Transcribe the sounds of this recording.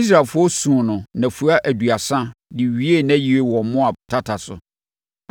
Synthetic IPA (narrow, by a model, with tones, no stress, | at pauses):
i˦s̬ɾa˨lfʊ˦ɔ˦sũ˨nʊ̃˨nã˨fu˨a˦ʔæ˨du˨a˨sã˦dɪ˨ɥi˦e˦næ̃˦ji˨e˦wɔ̃˨˦mʊ̃˦a˨tʰa˦tʰa˨sʊ̰˨